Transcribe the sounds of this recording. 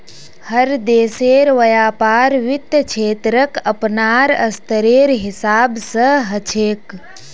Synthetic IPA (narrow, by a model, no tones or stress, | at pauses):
həɾd̪eːseɾʋəjaːpaːɾʋit̪ət͡ʃʰeːt̪ɾəkəpnaɾəst̪əɾeɾɦisaːbsəɦət͡ʃʰeːk